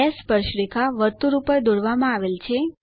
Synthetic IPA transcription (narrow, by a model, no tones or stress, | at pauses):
espəɾʃɾekʰaʋəɾt̪uɾupajd̪oɽʋamãaʋelt͡ʃʰe